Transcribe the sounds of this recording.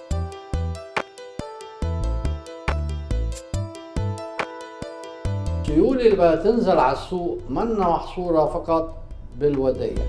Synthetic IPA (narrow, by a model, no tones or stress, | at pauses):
t̪ˤːʊjuːlilbat̪ɪnzalʕalasːuːʔmanːamɑħsˤuːɾˤɑfɑqɑt̪ˤ | bɪlwad̪a̰ːla̰